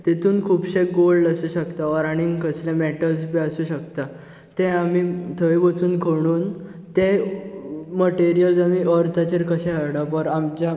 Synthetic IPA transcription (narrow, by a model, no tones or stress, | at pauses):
t̪et̪ʰuːnkʰuːpɕeɡ̚ɡolɖasuːɕəkt̪aʋəɾaɽ̃iŋɡkəslẽmeʈəlspiəsuːɕəkt̪a | t̪ɛ̃amit̪ʰəjbət͡suːnkʰəɽ̃uːn | t̪e | məʈeɾijəlsamiːəɾt̪ʰat͡ɕeɾkəɕɛ̃ɦəɾɽapəɾamt͡ɕa